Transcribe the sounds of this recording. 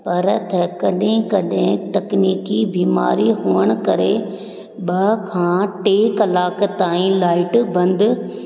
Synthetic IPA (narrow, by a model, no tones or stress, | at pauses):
pɐɾt̪ʰɛkɐɗɦẽkɐɗɦɪ̃t̪ɐkniːkibiːma̰ːɾiɦuːəɽ̃̆kɐɾe | ɓɐkʰãːʈeːkɐlaːkt̪aːĩlaːɪʈbɐ̃nd̪